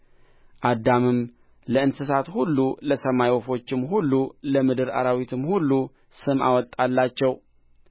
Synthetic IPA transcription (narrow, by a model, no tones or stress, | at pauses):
ʔad̪ːamɨm | ləɨnsɨsat̪hulːuləsəmajwɔfo̞t͡ʃːɪmɦulːuləmɨd̪ɨɾa̰ɾawit̪ʰɨmhulːu | sɨma̰wɔt̪ʼːalːat͡ʃːɛw